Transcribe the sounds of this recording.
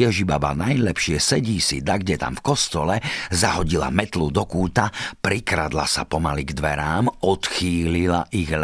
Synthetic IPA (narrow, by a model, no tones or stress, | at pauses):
ɛʒibaʋa̰najlɛpʃɪɛsɛɟiːsid̪aɡɟɛt̪a̰mfkɔst̪ɔlɛzaɦɔɟila̰mɛt̪lud̪ɔkuːt̪apɾikɾad̪la̰sapɔmaliɡd̪ʋɛɾaːmɔt̪xiːlila̰ʔiɣl